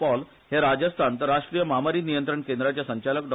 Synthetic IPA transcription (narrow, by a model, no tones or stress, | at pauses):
pɔl | heɾad͡ʑəst̪ʰant̪əɾaʂʈɾijəmamaɾiːnijənt̪ɾəɳkend̪ɾat͡ɕjasəɲt͡ɕaləkɖɔ